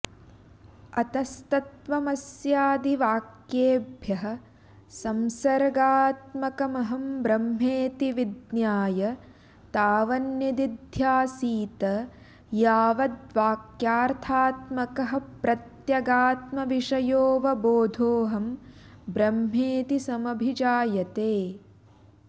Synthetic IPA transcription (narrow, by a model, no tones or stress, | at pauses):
ɐt̪ɐst̪ɐt̪ʋɐmɐsjaːd̪iʋaːkjeːbʱjɐɦɐ̆ | sɐmsɐɾɡaːt̪mɐkɐmɐɦɐmbɾɐmɦeːt̪iʋid̪njaːjɐ | t̪aːʋɐnjɐd̪id̪ʱjaːsiːt̪ɐ | jaːʋɐd̪ʋaːkjaːɾt̪ʰaːt̪mɐkɐɦɐ̆pɾɐt̪jɐɡaːt̪mɐʋiʂɐjoːʋɐboːd̪ʱoːɦɐm | bɾɐmɦeːt̪isɐmɐbʱid͡ʒaːjɐt̪eː